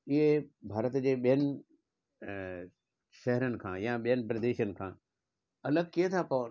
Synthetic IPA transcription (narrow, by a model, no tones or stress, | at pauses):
ɪɦebʱaːɾət̪d͡ʑeːɓijənɪ̆ | ʃɛɦɾənɪ̆kʰã̰ːjãɓijɦənɪ̆pɾɐd̪eːʃənɪ̆kʰãː | ɐləɡkiɦet̪ʰapoʋ